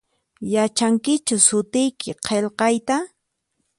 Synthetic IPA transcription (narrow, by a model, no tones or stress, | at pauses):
jat͡ʃaŋkɪt͡ʃʊsʊt̪ɪjkʰɪqʰelqɑjt̪a